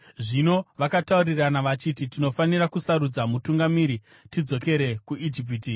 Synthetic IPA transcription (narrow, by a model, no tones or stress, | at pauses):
ʐino̞ʋakatauriranaʋat͡ʃititino̞fanirakusaɾud͡zamutuŋɡamiɾi | tid͡zo̞ke̞ɾe̞kuʔid͡ʒip̬iti